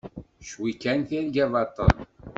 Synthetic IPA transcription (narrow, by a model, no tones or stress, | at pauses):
ʃwikːænθiɾɡævɑt̪ˤə̰l